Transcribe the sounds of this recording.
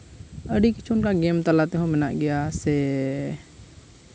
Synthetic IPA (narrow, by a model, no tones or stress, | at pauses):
əɖiki̥t͡ʃʰuʊnkaɡɛmt̪alat̪ɛɦɔ̃mɛnaʔɡɛjasɛ